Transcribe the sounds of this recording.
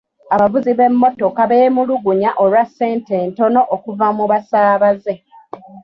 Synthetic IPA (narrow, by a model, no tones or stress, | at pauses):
aβavuziβe̞mːo̞to̞kaβeːmuluɡuɲaʔo̞lwasːe̞ːnte̞ːnto̞no̞ʔokuvamuβasaːβaze̞